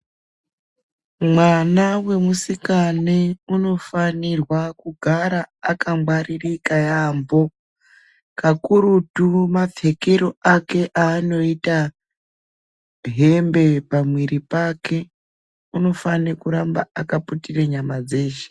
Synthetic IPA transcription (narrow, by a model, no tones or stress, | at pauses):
mwanawe̞musikaneuno̞fanirwakuɡʱaɾaːkamɡwaɾirikajambo̞ | kakuɾutumab͡ve̞keɾoake̞ʔaːno̞ita | ɦe̞mbe̞pamwiɾipakʰe̞ | uno̞fanekuɾambaakaputireɲamad͡ze̞ːʒe̥